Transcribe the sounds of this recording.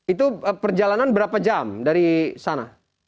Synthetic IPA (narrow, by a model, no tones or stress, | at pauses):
it̪uəpərd͡ʒalananbəɾapad͡ʒamdaɾisana